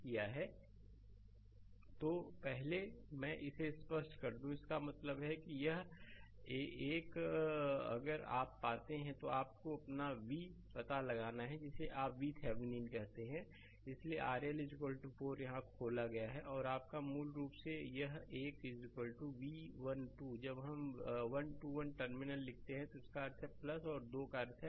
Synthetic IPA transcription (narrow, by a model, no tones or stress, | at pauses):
kijaɦɛ | t̪oːpɛɦlemɛ̃ːʔɪsespəsʈkɐɾd̪ũɪskamɐt̪ləbɦɛkijɐɦ | eːk | ɐ̰ɡəɾa̰ːpːaːt̪eɦɛ̃t̪oaːp̚koɐpnaʋipɐt̪alɐɡaːnaɦɛd͡ʒɪseʔaːpʋit̪ʰɛːʋɪnĩːnkɐɦt̪eɦɛ̃ | ɪslieʔaːɾijəlɪd͡ʒɪkəlʈufoːɾjɐɦãkʰoːlaɡɐjaɦɛʔɔːɾaːp̚kamuːlɾuːpsejɐɦeːkɪd͡ʒɪkəlʈuʋiʋɐnʈud͡ʒɐbɦɐmʋɐnʈuːʋɐnʈəɾmɪnəllɪk̚ʰt̪eɦɛ̃t̪oʊskaɐɾt̪ʰɛplɐsɔːɾd̪oːkaɾt̪ʰɦɛ